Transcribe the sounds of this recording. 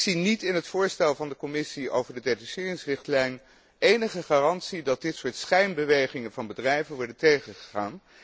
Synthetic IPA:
sinitɪnɦətfʊːɹstɛlˠvɑndəkɔmɪsio̰wvəɹdədedysɪːrɪŋsrɪχtlɛjn | ejnəχəχaːrɑntsidɑd̚dɪtsʊːɹtsχɛjnbəʋejχɪŋənvɑnbədrɛjvənʋɔɹdəntejχəχə̥χaːn

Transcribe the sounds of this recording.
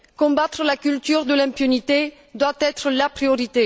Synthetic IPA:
kɔ̃bat̪χəlakylt̪yʁd̪əlɛ̃mpynit̪e | d̪wat̪ɛt̪χəlapʁioʁit̪e

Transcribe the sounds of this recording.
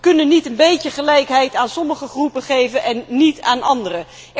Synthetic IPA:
kɵnənitənbejəχəlɛjkɦɛjtaːnsɔməχəχrupəχejvənʔɛnːitaːnʔɑndərə

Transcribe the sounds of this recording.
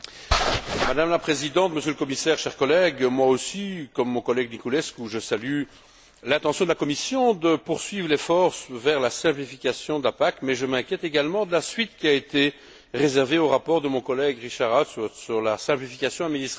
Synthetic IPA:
mad̪amlapχezid̪ɑ̃t̪məsjøləkɔmisɛʁʃɛʁkɔlɛɡmwaosikɔmːɔ̃kɔlɛɡnikulɛskuʒəsaly | lɛ̃t̪ɑ̃sjɔ̃d̪əlakɔmisjɔ̃d̪əpuʁsɥivʁlefɔʁsvɛʁlasɛ̃plifikʲasjɔ̃d̪apakmɛʒəmɛ̃kʲjɛt̪eɡalmɑ̃d̪əlasɥit̪kʲiaet̪e | ʁezɛʁveoʁapɔʁd̪əmɔ̃kɔlɛɡʁiʃaʁassyʁlasɛ̃plifikʲasjɔ̃ad̪minist̪

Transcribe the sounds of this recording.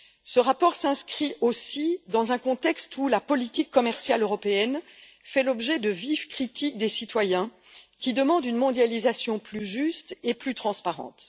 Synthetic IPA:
səʁapɔʁsɛ̃skχiʔosid̪ɑ̃zɛ̃kɔ̃t̪ɛkst̪ulapɔlit̪ikːɔmɛʁsjaløʁɔpeɛn | fɛlɔbʒɛd̪əvivkχit̪ik̚d̪esit̪wajɛ̃ | kʲid̪əmɑ̃d̪ynmɔ̃d̪jalizasjɔ̃plyʒyst̪eplyt̪χɑ̃spaʁɑ̰̃t̪

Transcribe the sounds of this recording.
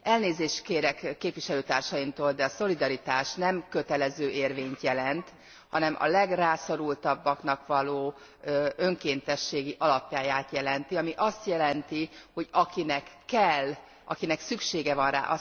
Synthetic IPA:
ʔɛlneːzeːʃt̪keːɾɛkːeːpʋiʃɛløːt̪aːrʃɒjimt̪oːld̪ɛɒso̞lid̪ɒɾit̪aːʃnɛmkøt̪ɛlɛzøːʔeːrveːɲt̪jɛlɛnt̪ | hɒnɛmʔɒ̰lɛɡraːsoɾult̪ɒbːɒknɒkʋɒloː | ø̞ŋkeːnt̪ɛʃːeːɡiʔɒlɒpjaːjaːt̪jɛlɛnt̪iɒmiʔɒst̪jɛlɛnt̪iho̞ɟɒkinɛkːɛlː | ʔɒkinɛksykʃeːɡɛvɒnra̰ːʔɒ

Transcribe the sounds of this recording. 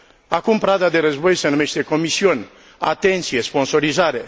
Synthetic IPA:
akumpɾad̪ad̪e̞ɾəzbo̞jsenume̞ʃt̪e̞ko̞misiunʲ | a̰t̪e̞nt̪sijespo̞nso̞ɾizaɾe̞

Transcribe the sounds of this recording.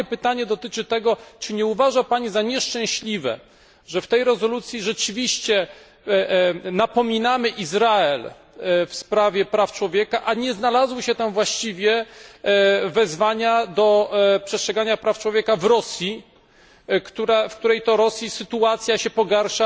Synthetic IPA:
ɛpɘt̪aɲɛd̪ɔt̪ɘt͡ʂɘt̪ɛɡɔt͡ʂɘɲɛuvaʐapaɲizaɲɛʂt͡ʂɛ̃w̃ɕlʲivɛ̰ | ʐɛft̪ɛjɾɛzɔlut̪sʲjiʐɛt͡ʂɘvʲiɕt͡ɕɛ | napɔmʲinamɘʔizɾaɛl | fspɾavʲjɛpɾaft͡ʂwɔvʲjɛkaʔaɲɛznalazwɘɕɛt̪amvwaɕt͡ɕivʲjɛ | vɛzvaɲad̪ɔpʂɛst̪ʂɛɡaɲapɾaft͡ʂwɔvʲjɛkavɾɔsʲji | kt̪uɾɛfk̚t̪uɾɛjt̪ɔɾɔsʲjisɘt̪uat̪sʲjaɕɛpɔɡaɾʂa

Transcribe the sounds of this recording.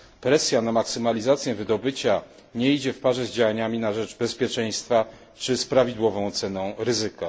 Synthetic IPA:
pɾɛsʲjanamaksɘmalʲizat̪sʲjɛvɘd̪ɔbɘt͡ɕa | ɲɛid͡ʑɛfpaʐɛzd͡ʑawaɲamʲinaʐɛt͡ʂbɛspʲjɛt͡ʂɛj̃st̪fa | t͡ʂɘspɾavʲid̪wɔvɔ̃w̃t̪sɛnɔ̃w̃ɾɘzɘka

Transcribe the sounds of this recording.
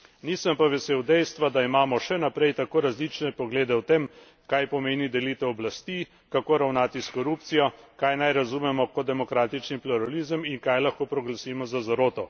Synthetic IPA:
niːsəmpaʋɛseːwd̪ɛjst̪ʋad̪aimaːmɔʃɛnapɾɛjt̪akoːɾazlit͡ʃnɛpɔɡleːd̪ɛwt̪em | kajpɔmeːnid̪ɛlit̪ɛɔblast̪i | kakoːɾawnaːt̪iskɔɾup̚t̪sijɔkajnajɾazumɛmɔkɔd̪ɛmɔkɾaːt̪it͡ʃnipluɾalizəmiŋkajlaxkoːpɾɔɡlasiːmɔzazaɾoːt̪ɔ

